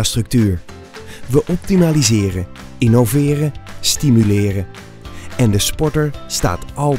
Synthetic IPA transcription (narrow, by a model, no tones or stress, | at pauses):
astrɵk̚tyːɹ | ʋəʔɔp̚timaːlizɪːrə | ɪnowvɪːrəstimylɪːrə | ɛndəspɔɹtəɹsta̰ːtɑlˠ